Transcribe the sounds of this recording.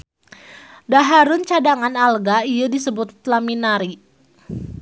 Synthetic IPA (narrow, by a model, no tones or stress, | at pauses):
daɦaɾʊnt͡ʃadaŋanalɡaijadisəbʊt̪ːlaminaɾi